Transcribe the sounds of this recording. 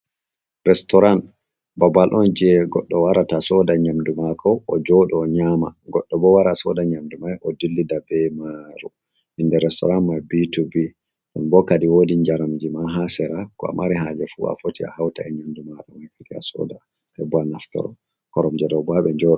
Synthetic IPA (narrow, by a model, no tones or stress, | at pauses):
ɾɛstɔɾan | babalʔɔnd͡ʒiɛɡɔɗːɔwaɾatasɔdaɲamdumakʰɔːd͡ʒɔɗɔɲama̰ɡɔɗːɔbɔwaɾasɔdaɲamdumajʔɔdilːidabɛmaɾu | ʔindɛɾɛstɔɾanmajbitubi | ɗɔnbɔkadiwodiɲd͡ʒaɾamd͡ʒimaɦasɛɾakɔ̰a̰maɾiɦad͡ʒɛfṵa̰fotia̰hawta̰ɛɲamdumaɗɔnhifikia̰sɔ̰da | hɛbanaftɔ̰ɾɔ̰ | kɔɾɔmd͡ʒɛdɔbaɓɛɲd͡ʒɔɗɔ